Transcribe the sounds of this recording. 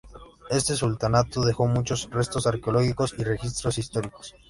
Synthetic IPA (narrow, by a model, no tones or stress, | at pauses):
e̞st̪e̞sult̪anat̪oðe̞xo̞mut͡ʃo̞srest̪o̞saɾkeoloɣiko̞sire̞xis̬t̪ɾo̞sist̪o̞ɾiko̥s